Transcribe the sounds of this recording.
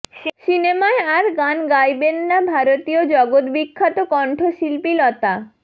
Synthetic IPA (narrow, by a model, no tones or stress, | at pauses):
ʃinemaeaɾɡanɡajbenːabʱaɾot̪iod͡ʑɔɡot̪bikʰːat̪okɔɳʈʰoʃilpilɔt̪a